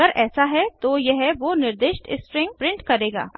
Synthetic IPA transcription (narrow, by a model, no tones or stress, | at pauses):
əɾʔɛːsaɦɛt̪ojeɦɛʋoːnɪɾd̪eːʃʈɪ̰spɾɪ̃ŋɡ̚pɾɪ̃ɳʈkɐɾeːɡa̰ː